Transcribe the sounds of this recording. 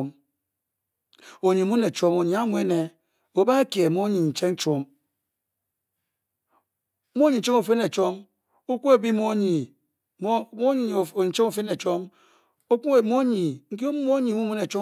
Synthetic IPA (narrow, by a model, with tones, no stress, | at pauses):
m | o˨ɲi˨mu˦ne˨t͡ʃo˦mo˨ɲ˨a˦mwe˦ne˨ | o˨ba˦e˦ke˨mo˦ɲi˨n̩˨t͡ʃe˦ŋ̩˦t͡ʃo˦m˦ | mo˦ɲi˨˦t͡ʃe˦mo˨fe˦ne˨t͡ʃo˦m | o˦kʷo˦e˨bi˦mo˦ɲi˨˦ | o˦i˨˦t͡ʃe˦o˨fe˦ne˨t͡ʃo˦m | o˦ku˦e˨mo˦ɲi˨ŋ̩˦k̬i˦o˦mo˦ɲi˨mu˦mu˦ne˨t͡ʃo˦